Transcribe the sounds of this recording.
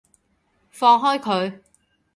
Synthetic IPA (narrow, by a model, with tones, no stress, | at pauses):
fɔː˧ŋɦɔː˥jkʰɵ˨˧ɥ